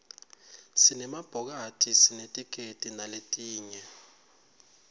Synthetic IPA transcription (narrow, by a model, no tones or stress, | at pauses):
sinɛmab̥ʱɔk̬atʰisinetʼikʼetʼinaletʼiːɲɛ